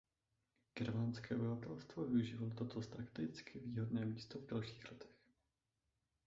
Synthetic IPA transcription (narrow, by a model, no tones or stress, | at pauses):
ɡ̥ɛɾmanskɛːʔobɪvat̪ɛlst̪vovɪuʒiːvalot̪ot̪ost̪ɾakt̪ɪɪt͡skɪviːɦo̞dnɛːmiːst̪ovdalʃi̥ːxlɛt̪ɛ̥x